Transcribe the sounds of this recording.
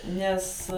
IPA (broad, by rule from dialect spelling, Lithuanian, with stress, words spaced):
ˈnʲɛs